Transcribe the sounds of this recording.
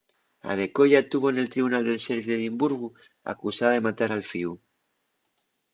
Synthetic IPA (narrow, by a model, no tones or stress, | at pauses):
a̰ð̞e̞koʝat̪uβo̞ne̞lt̪ɾiβunald̪e̞lseɾβiðeðimbuɾɣu | a̰kusaðaðe̞mat̪aɾalfiu